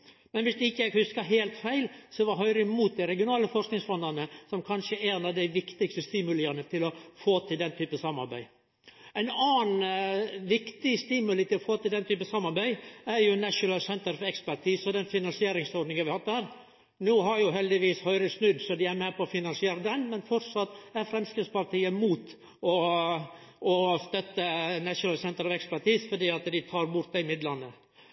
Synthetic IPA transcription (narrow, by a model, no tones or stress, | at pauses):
mɛnʋɪsd̪ʉɪçːəɛɡhʉskəɦeːlt̪fæɪlsɔʋɑɾɦœʏɾəmuːt̪̚d̪æɪɾɛɡɪʊnɑːləfɔʂknɪŋsfɔnd̪ɑnəsɔmkʰɑnʂəʔænɑʋd̪æɪʋɪkt̪ɪkst̪əst̪ɪːmʉləənət̪ʰɪlɔfoːt̪ʰɪld̪ɛnt̪ʰyːpəsɑmːɑ̰ɾbæ̰ɪ | ɛɪnɑːnʋɪkt̪ɪst̪iːmʉlət̪ɪlɔfoːt̪ɪld̪ɛnt̪ʰyːpəsɑmːɑɾbæɪæɾjʊnæʂʊnɑlsɛnt̪əɾfɔɾɛkspæɾʈʰiːsɔd̪ɛnfɪnɑnsɪeːɾɪŋsɔɾɖnɪŋəʋɪhɑt̪ːhæːɾ | nuːɦɑɾjʊɦɛld̪ɪʋiːshœʏɾəsnʉd̪sɔd̪ɪæɾmɛpɔɔfɪnɑnsɪeːɾəd̪ɛnmɛnfɔɾsɑt̪ːæfɾɛmskɪspɑɾʈ̪iːəmuːt̪ | ɔ | ʔɔst̪œt̪ːənæʂʊnɑlsɛnt̪əɾɑʋɛkspæʈiːsfɔɖ̪iːɑt̪d̪ɪt̪ʰɑːɾbʊɾt̪d̪ɛɪɪmɪd̪lɑnːə